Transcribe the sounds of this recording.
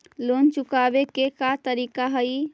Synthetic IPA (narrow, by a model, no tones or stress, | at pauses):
lont͡ʃukabekekat̪əɾiːkaɦəj